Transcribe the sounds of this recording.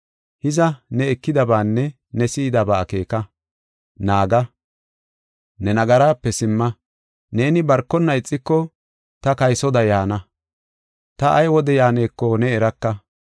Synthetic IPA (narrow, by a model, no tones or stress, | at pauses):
hɪzɐnɛɛkːɪd̪ɐbaːnːɛ | nɛsiːd̪ɐbaːke̞ːkɐ | naːɡɐ | nɛnɐɡɐɾaːpːɛsɪmːɐ | ne̞ːnɪbɐɾkːɔnːɐɪt͡sʼːɪkːɔ | t̪ɐkɐjsɔd̪ɐjaːnɐ | t̪ɐʔɐjwɔd̪ɛjaːne̞ːkːɔnɛːɾɐkːɐ